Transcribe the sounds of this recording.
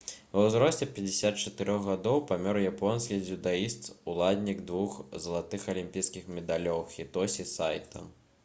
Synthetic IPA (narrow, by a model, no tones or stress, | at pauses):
vɐwzɾɔsʲt͡sʲɛpʲɐd͡zʲɪsʲat̪̚t͡ʂɐt̪ɨɾɔɣɣad̪ɔwpamʲɔɾjapɔnskʲid͡zʲud̪aist̪ulˠad̪ʲnʲiɡd̪vuxzɐlˠat̪ɨxɐlʲimʲpʲijskʲixmʲɛd̪alʲɔwxʲit̪ɔsʲisajt̪ʰɐ̰